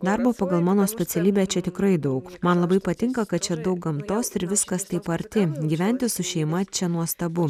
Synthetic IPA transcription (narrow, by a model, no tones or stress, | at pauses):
d̪ɑɾboːpɑːɡɐlˠmɑːnoːsʲpʲɛt̪sʲɛlʲiːbʲeːt͡ʃʲɛt̪ʲɪkɾɐɪd̪ɐʊkmɐnlˠɐbɐɪpɐt̪ʲɪŋkɐkɐt̪̚t͡ʃʲɛd̪ɐʊk̚ɡɐmt̪oːsɪɾʋʲɪskɐst̪ɐɪpɐɾʲt̪ʲɪɡʲiːʋʲɛnʲt̪ʲɪsʊʃʲɛɪmɐt͡ʃʲɛnuɔst̪ɐbʊ